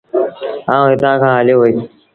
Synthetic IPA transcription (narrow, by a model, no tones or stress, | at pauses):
aːũːɦɪt̪ãːkʰãːɦaːljoːɦoeː